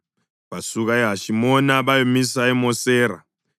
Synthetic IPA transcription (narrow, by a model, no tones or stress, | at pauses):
pasukaeɦaʃimonaβajomisaemoseːɾa̰